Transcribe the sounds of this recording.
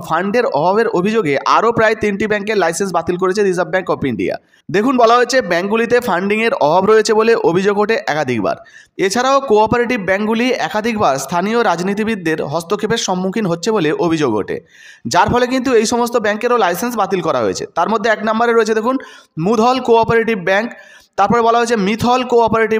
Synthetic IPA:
fʰaɳɖeɾɔɦabeɾobʱid͡ʑoɡeʔa̰ɾopɾaet̪inʈibɛŋkeɾlajsens̬bat̪ilk̬oɾet͡ɕʰed̪izabbɛŋkɔpiɳɖḭa̰ | d̪ekʰunbɔlaɦoet͡ɕʰebɛŋk̚ɡulit̪̬efʰaɳɖiŋeɾɔɦabɾojet͡ɕʰeboleʔobʱid͡ʑoɡoʈeʔɛkad̪ʱik̚ba̰ɾ | et͡ɕʰaɾaokoɔpoɾeʈibbɛŋkɡuliɛkad̪ʱikbaɾst̪ʰanioɾad͡ʑnit̪̬ibid̪ːeɾɦɔst̪okʰːepeʃɔmːukʰinɦotːɕʰeboleʔobʱid͡ʑoɡo̰ʈḛ | d͡ʑaɾfʰɔlek̬int̪uejʃɔmost̪obɛŋkeɾolajsens̬bat̪ilkɔɾa̰ɦo̰et͡ɕʰḛt̪aɾmod̪ʱːeɛknambaɾeɾoet͡ɕʰed̪ekʰunmud̪ʱɔlkoɔpoɾeʈibbɛŋk | t̪aɾpɔɾebɔlaɦoet͡ɕʰemit̪ʰɔlkoɔpoɾeʈi

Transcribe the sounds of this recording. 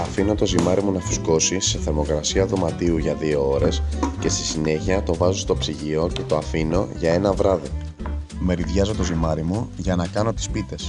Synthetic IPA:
ɐfino̞t̪o̞zimɐɾimunɐfu̥sko̞sise̞θeɾmo̞kɾɐsiɐðo̞mɐt̪iuʝɐðio̞oɾe̞sce̞st̪i̥sine̞çiɐt̪o̞vɐzost̪o̞psiʝio̞ce̞t̪o̞ɐfino̞ʝɐe̞nɐvɾɐði | me̞ɾiðʝɐzo̞t̪o̞zimɐɾimuʝɐnɐkɐno̞t̪i̥spit̪e̞s

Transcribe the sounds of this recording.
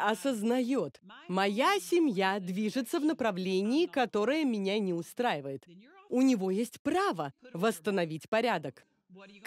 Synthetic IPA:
ɐsəznɐjot̪mɐjasʲɪmʲjad̪vʲiʐɨt̪səvnəpɾɐvlʲenʲɪɪkɐt̪o̞ɾəjəmʲɪnʲanʲɪʊst̪ɾajɪvəjɪt̪ʊnʲɪvo̞jesʲtʲpɾavəvəst̪ənɐvʲitʲpɐɾʲad̪ək

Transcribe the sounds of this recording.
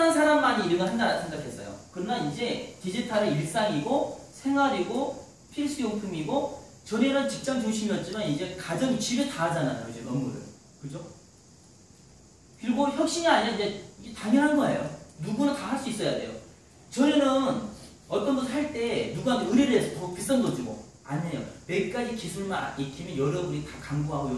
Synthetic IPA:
nɯnsʰaɾamːaɲiːɾɯɡʌnɦandaɾasʰe̞ŋɡakʰe̞s͈ʌjo̰kɯɾʌnanid͡ʑe̞tid͡ʑitʰaɾɯiɭ̚s͈aŋiɡosʰe̞ŋɦwaɾiɡo | pʰiɾs͈ɯjoŋpʰuŋiɡo | t͡ɕʌɾenɯnt͡ɕik̚t͡ɕ͈ʌmt͡ɕoŋɕ̬ʰimiʌt̚t͡ɕ͈imanid͡ʑe̞kad͡ʑʌŋt͡ɕibɯɭtaːd͡ʑanajo̰id͡ʑe̞mʌnmuɾɯ̰ɭ | kɯd͡ʑo | kɯɾiɡoçjʌk̚ɕ͈iŋaaɲijʌind͡ʑeietaɲjʌnɦanɡʌḛjonuɡunɯntahaɭs͈uis͈ʌjade̞̰jo̰ | t͡ɕʌɾenɯn | ʌt͈ʌnɡʌnʰaɭt͈e̞nuɡuɦaneɯɾeɾɯɦesʰʌtʌpis͈ʌndod͡ʑiɡo̰ | a̰nejo̰me̞k͈ad͡ʑikisʰuɭman̰ikʰimjʌnjʌɾʌbunitakaŋɡoɦaɡoj

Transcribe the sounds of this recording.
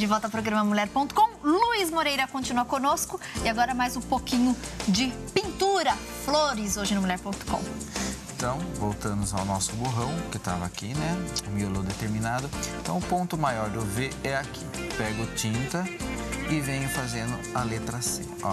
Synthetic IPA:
d͡ʒɪvɔwˠt̪ɐpɾoɡɾɐ̃mɐmuʎɛɾpõnt̪ʊ̥kõw̃luizmoɾejɾɐkõt͡ʃinuɐkõnoskʊɪaɡɔɾɐmajzũpokĩɲʊd͡ʒɪ | pĩnt̪uɾɐ | floɾɪzoʒɪnɐmulɛɾpõt̪ʊ̥kõ̰w̃ | ẽt̪ɐ̃w̃vowt̪ɐ̃mʊza̰wnɔsʊboɦɐ̃w̃kɪt̪a̰vɐakinɛʊmiolod̪et̪eɾminad̪ʊẽt̪ɐ̰̃w̃ʊpõnt̪ʊmajɔɾd̪ʊveɛakʰi̥ | pɛɡʊt͡ʃĩnt̪ɐɪvẽɲʊfazẽnd̪ʊalet̪ɾasḛ | ɔ̰

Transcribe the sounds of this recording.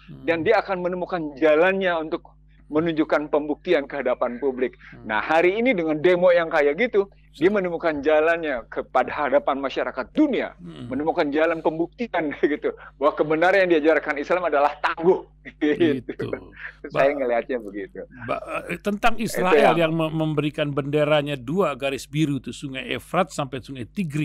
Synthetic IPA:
dandiaːkanmənəmukand͡ʒalanɲaunt̪ʊk̚ | mənuɲd͡ʒukanpəmbuk̚t̪iankəɦadapanpublɪk̚na̰haɾiːnidəŋandemojaŋkajaɡit̪u | diamənəmukand͡ʒalanɲakəpadahadapanmaʃaɾakat̪̚dunia̰mənəmukand͡ʒalanpəmbuk̚t̪ianɡit̪ubawakəbənaɾanjaŋdiad͡ʒarkanislamadalaht̪aŋɡʊh | it̪uṵsbajaŋəliɦat̪̚ɲabəɡit̪uba̰t̪ənt̪aŋisɾaɛljaŋəməmbəɾikanbəndeɾaɲaduaɡaɾɪsbiɾut̪usuŋajḛfɾat̪̚sampɛsuŋajt̪iɡɾi

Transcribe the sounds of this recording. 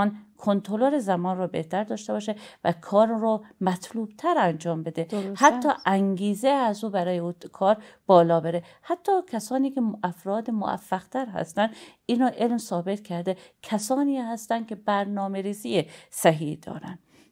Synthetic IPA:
nkʰont̪ʰɾoloɾezæmɒːnrɔːbḛht̪æɾd̪ɒːʃt̪e̞bɒːʃevækʰɒːɾɾɔːmæt̪ʰluːb̥̚t̪ʰæɾænd͡ʒɒːmbe̞d̪e̞hæt̪ʰːɒːʔæŋɡiːzeæzuːbæɾɒːjeuːkʰɒːɾb̥ɒːlɒːbeɾehæt̪ʰːɒːkʲʰæsɒːniːkʰeʔæfɾɒːd̪emo̰ʔæ̰fːæɣ̥t̪ʰæɾɦæ̰st̪ænd̪iːnɒːʔe̞lmsɒːbe̞t̪kʰæɾd̪ekʰæsɒːniːhæst̪ænd̪̚cʰʲe̞bæɾnɒːme̞ɾiːziːjesæɦid̪̥ɒ̰ːɾæn

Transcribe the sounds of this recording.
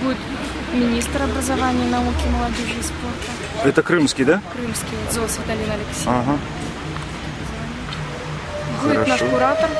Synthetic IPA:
budʲɪt̪ | mʲɪnʲist̪ɾɐbɾɐzavanʲɪjnɐukʲɪməlˠɐd͡zʲoʐɨisport̪ɐ | ɛt̪əkɾɨmskʲid̪akɾɨmskʲizolˠsvʲɪt̪ɐlʲinɐlʲɪksʲaɦa | ɐzɐvanʲɪ | bxuɪɾaʂnɐkʊɾat̪ɐr

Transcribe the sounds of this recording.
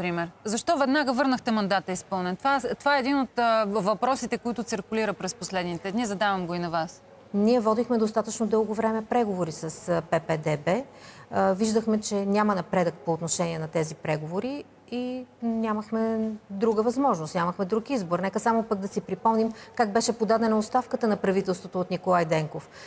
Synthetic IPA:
pɾimɛɾzɐʃt̪ɔvɛd̪naɡəvɤɾnəxt̪ɛmɐnd̪at̪əispɤlˠnɛnt̪vat̪ovaɛːd̪inot̪vɐpɾɔsit̪ɛkoit̪ʊt̪siɾkʊliɾəpɾɛsposlɛd̪nit̪ɛd̪nizɐd̪avɐmɡoinɐvas | niɛvɔd̪ixmɛd̪ost̪at̪ət͡ʃnod̪ɤlˠɡovɾɛmɛpɾɛɡovoɾisɐspɛpɛd̪ɛbɛ | viʒd̪əxmɛt͡ʃɛnʲamɐnɐpɾɛd̪ək̚poːt̪noʃɛniɛnɐt̪ɛzipɾɛɡovoɾi | inʲaməxmɛd̪ɾuɡəvɐzmɔʒnost̪nʲaməxmɛd̪ɾukizboɾnɛkəsamopəɡ̚d̪ɐsipɾipɔmnimkaɡ̚bɛʃɛpod̪ad̪ɛnɐotst̪afkət̪ənɐpɾɐvit̪ɛlˠst̪vot̪oːt̪nikolˠajd̪ɛŋkof

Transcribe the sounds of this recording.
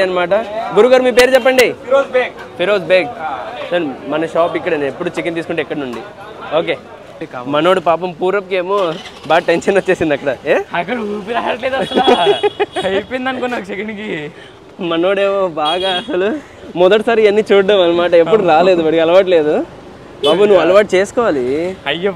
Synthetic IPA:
ɐnːɐmaːʈɐɡuɾuɡaːɾumiːp̬eːɾut͡ʃɛpːɐɳɖipɾobekpʰiɾoːsbeːɡ̚sɐnmɐnɐʃaːpikːɐɽɐnepːuɽut͡ʃikːint̪iːsu̥kuɳʈuikːɐɽɐnuɳɖi | oːke̞ː | mɐno̞ːɽupaːp̬ɐmpuːɾɐp̚keːmoːbaːʈenʃɐnʋɐt͡ʃːe̞ːsind̪ɐkːɐɽɐeɐkːɐɽpiɐjaɐʈleːd̪ɐla | hɐjpind̪ɐnkonːaːkut͡ʃekɐnki | mɐno̞ːɽeːmoːbaːɡaːɐsɐlu | mɔd̪ɐʈisaːɾiɐnːiːt͡ʃuːɐmɐnːɐmaːʈɐepːuɽuɾaːle̞ːd̪uʋɐɽiɡɐlɐʋaːʈ̬leːd̪u | paːbunuʋɐlɐʋaːʈ̚t͡ʃe̞ːsu̥kɔːʋaːliɐjɐ

